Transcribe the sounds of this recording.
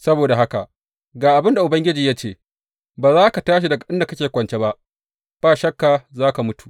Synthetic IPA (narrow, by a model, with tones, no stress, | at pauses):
sɐ˦boː˨da˨ɦa˦ka˨ʔ | ɡaː˨ʔa˨bɪ˦nda˨ʔʊ˨bɐ˦ŋɡʲɪ˦d͡ʒiː˨jaː˦t͡ʃeː˦˨ | baː˨zaː˦ka˨taː˦ʃ̬i˨dɐ˨ɡa˨ɗɪ˦nda˨kɐ˦kʲeː˨kʷɐ˨nt͡ʃe˦ba˦ʔ | b̥aː˦˨ʃɐ˦kːa˨zaː˦ka˨mʊ˦tu̥ː˨ʔ